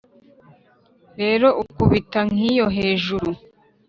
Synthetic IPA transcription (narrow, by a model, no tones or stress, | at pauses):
ɾe̞ːɾo̞ʔukuβitaŋ̥ijo̞ɦe̞ːʒuɾu